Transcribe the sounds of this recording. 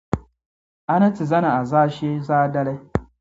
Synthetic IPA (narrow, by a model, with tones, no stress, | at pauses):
ʔa˦nɐ˦t͡si˨zɐ˦na˨a˨zaː˦ʃeː˦zaː˦dɐ˦la˦